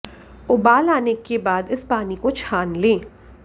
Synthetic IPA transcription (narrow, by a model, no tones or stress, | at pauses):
ʊbaːlaːnekebaːd̪ɪspaːnikot͡ʃʰaːnlẽː